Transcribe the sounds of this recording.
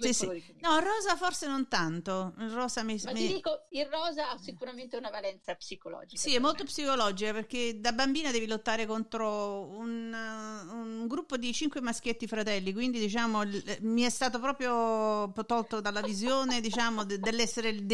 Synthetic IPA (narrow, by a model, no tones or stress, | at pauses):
sisi | nɔirːɔːzaforsenont̪ant̪oirɔːzamimamd̪iːkoirːɔːzaasikuɾament̪eunavalɛnt̪sapsikolɔ̰ːd͡ʒisaiɛmːolt̪opsikolɔːd͡ʒikaperk̟ed̪abambiːnad̪ɛːvilot̪ːaːɾekont̪ɾoun | uŋɡɾupːod̪it͡ʃiŋkwemask̟jet̪ːifɾat̪ɛlːik̬wind̪id̪it͡ʃaːmomiɛst̪aːt̪̬opɾɔːpɾjopt̪ɔlt̪od̪alːavizjoːned̪it͡ʃaːmod̪d̪elːɛsːeɾed̪